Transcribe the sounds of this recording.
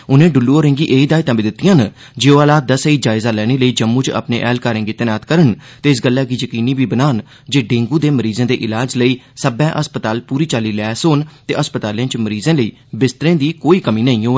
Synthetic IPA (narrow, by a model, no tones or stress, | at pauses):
ʊnẽːɖʊlːuːoːɾẽːŋɡiːʔeːiːd̪aːit̪ːmbẽːd̪ɪt̪ːɪjãːn | d͡ʒeːoaːlaːt̪̚d̪əseiːd͡ʒaːɪzaːlɛːñeːləiːd͡ʒəmːũːt͡ʃə̰pnḛːʔɛːlkaːɾẽːŋɡiːt̪ənaːt̪kəɾəɳt̪eːɪs̬ɡəlːɛːɡiːjəkiːniːbiːbənaːn | d͡ʒeːɖẽːŋɡuːd̪eːməɾiːzẽːd̪eːʔɪlaːd͡ʒləiːsəbɛ̃ːʔəspət̪aːlpuːɾiːt͡ʃaːliːlɛːsoːnt̪ḛːʔəspət̪aːljãːt͡ʃməɾiːzẽːləiː | bɪst̪ɾẽːd̪iːkoːiːkəmiːnəĩːoː